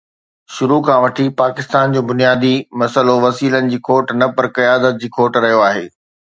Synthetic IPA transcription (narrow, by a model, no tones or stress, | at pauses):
ʃʊɾukʰãʋɐʈʰipaːkɪst̪aːnd͡ʑoːbʊnijaːd̪imɐsəloʋɐsiːlənɪ̆d͡ʑiːkʰoːʈnɐpɐɾkɐjaːd̪ət̪̚d͡ʑiːkʰoːʈɾɐɦijoaːɦḛː